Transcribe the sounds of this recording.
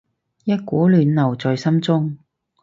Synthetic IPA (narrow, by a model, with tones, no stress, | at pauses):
jɐ˥t̚kuː˨˥lyː˨˧nlɐ˨˩wt͡sɔː˨jsɐ˥mt͡sʊ˥ŋ